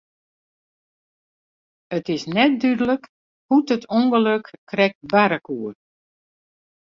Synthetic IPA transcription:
ətɪsnɛt̚dydələk | hudətʰuŋɡəløkːrɛk̚tbaɾəkuːər

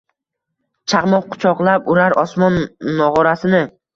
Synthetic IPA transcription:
t͡ʃʰaʁmɒqqʰːʊ̥t͡ʃʰɒqlˠapʊɾaɾɒsmɒnːɒʁɒɾasɪnɪ

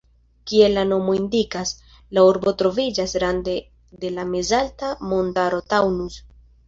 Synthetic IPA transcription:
kie̞lano̞mo̞indikas | lauɾbo̞tɾo̞vid͡ʒasɾande̞ | de̞lame̞zaltamo̞ndaɾo̞tawnus

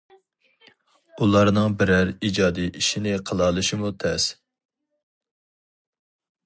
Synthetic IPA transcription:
ulˠɑɾnɨŋbɪɾæɾid͡ʒɑːd̪iʔiʃinɪqʰəlˠɑlˠɨʃimut̪ʰɛs

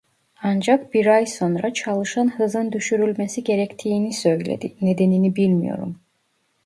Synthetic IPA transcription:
ɑnd͡ʒɑk̚b̥iɾajso̞nɾat͡ʃʰɑlˠɯʃanhɯzɯnd̪yʃyɾylʲmɛsiɟe̞ɾɛct̪ʰijːnisøjlḛd̪ined̪eninibilʲmḭjo̞̰ɾṵm

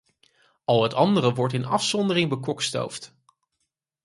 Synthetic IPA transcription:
ɑlˠɦətɑndərəʋɔɹtɪnɑfsɔndərɪŋbəkɔksto̰wft

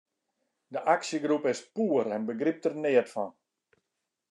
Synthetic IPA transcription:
dəʔaksjəɡrupɪspuəɾɛnbəɡrip̚tərnɪətfɔn

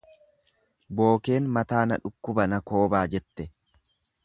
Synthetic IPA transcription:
bo̞ːke̞ːnmɐt̪aːnɐᶑʊkːʊbɐnɐko̞ːbaːd͡ʒɛt̪ːɛ

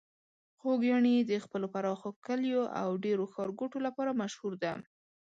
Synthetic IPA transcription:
xoɡjɑɳid̪əxpəlopaɾɑxokəljoʔa̰wɖeɾoxɑɾɡoʈolapɑɾamaʃhuɾd̪a

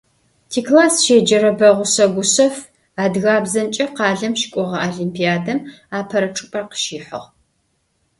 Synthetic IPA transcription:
tʰiːklaːsʃeːd͡ʒɐɾɐbɐʁʷʊsɐɡʷʊsɐf | aːdɣaːbzɐnt͡ʃʼɐqɑːɮɐmʃɪ̥kʷʼɔʁɐaːɮimpʰijaːdɐm | aːpʰɐɾɐʈ͡ʂʼɨpʷʼɐrqə̥ʃiːħə̰ʁ

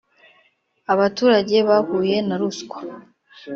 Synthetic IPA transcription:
aβatuːɾaɟe̞βahuːje̞naɾuskwḁ

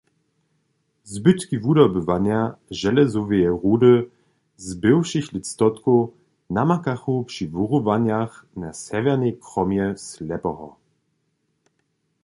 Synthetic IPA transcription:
zbɘt̪kivudɔbəvanjaʒɛlɛzuvejɛʁudə | zbɘwʃiçlit̪st̪ɔt̪ku | namakaχupʂivuʁuvanaxnasɛvɛʁnʲɛkʁɔmjɛslɛpɔɦɔ̰

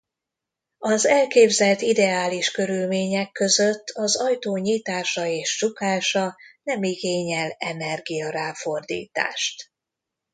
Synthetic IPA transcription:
ɒzɛlkeːbzɛlt̪id̪ɛaːliʃkø̞ɾylmeːɲɛkːø̞zøt̪ːɒzɒjt̪oːɲiːt̪aːʃɒeːʃt͡ʃukaːʃɒnɛmiɡeːɲɛlɛ̰nɛrɡijɒɾaːfo̞rd̪ḭːt̪a̰ːʃt̪

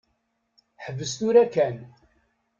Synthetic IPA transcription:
ħəvəst̪uɾækæn

